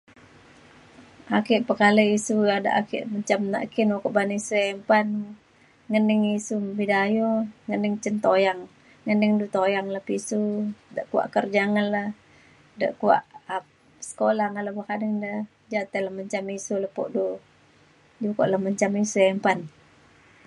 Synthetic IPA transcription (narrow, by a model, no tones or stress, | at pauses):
akɪʔpəkaləisuada̰ʔakɪ̰ʔməɲt͡ʃamna̰ʔkinokoʔbaniisuɛmpan | ŋənɪŋisumbidajoŋənɪŋt͡ʃənt̪ojaŋː | ənɪŋdut̪ojaŋlahpisudəʔkua̰ʔkərd͡ʒaŋənlah | də̰ʔkuwa̰ʔ | sə̥kolahŋaləbakadəŋdə | d͡ʒat̪eləhməɲt͡ʃamisuləpɔ̰ʔdu | d͡ʒuko̰ʔləhməɲt͡ʃamisuɛmpan